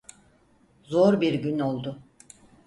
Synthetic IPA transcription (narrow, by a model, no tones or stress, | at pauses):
zoɾbiɾɟyno̞lˠd̪ʊ